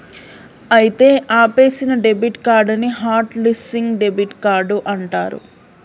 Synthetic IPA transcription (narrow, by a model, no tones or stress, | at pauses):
ɐjit̪e̞ːʔaːpe̞ːsinɐɖebiʈkaːɾɖɐniɦaːɾʈlisiŋɡɖebiʈkaːɾɖuʔɐɳʈa̰ːɾṵ